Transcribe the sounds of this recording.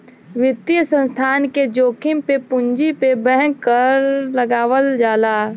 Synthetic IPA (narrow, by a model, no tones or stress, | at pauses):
wɪt̪ijəsə̃nst̪ʰaːnked͡ʒoːkʰɪmpepʊɲd͡ʒipebɛ̃ɦɛ̃kːəɾɾləɡaːwəld͡ʒaːlaː